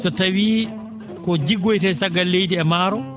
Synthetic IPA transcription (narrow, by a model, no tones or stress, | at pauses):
sɔtawiː | kɔd͡ʒiɡːojtɛjsaɡːalːejdiɛmaːɾɔ